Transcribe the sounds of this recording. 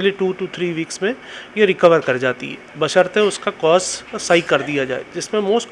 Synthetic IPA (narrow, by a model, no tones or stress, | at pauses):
liʈuːʈut̪ʰɾiːʋiːksmẽjeɾɪkəʋəɾkɐɾd͡ʒaːt̪ḭɦɛ̰ːbɐʃəɾt̪ẽʊskakɔːsːaːikɐɾd̪ijad͡ʒaːḛd͡ʒɪsmẽmoːsʈ